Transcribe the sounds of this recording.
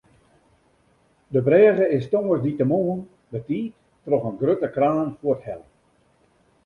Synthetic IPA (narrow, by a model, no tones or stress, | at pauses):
dəbrɛːɣəɪstoŋəsditəmoːən | dətiːt | trɔχənɡrøtəkraːnfuəthɛlˠ